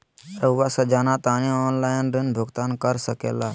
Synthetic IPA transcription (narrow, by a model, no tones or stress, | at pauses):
ɾəʋasad͡ʒaːnat̪aːniɔnlaːjnɾɪnbʱʊɡt̪aːnkəɾsəkeːlaː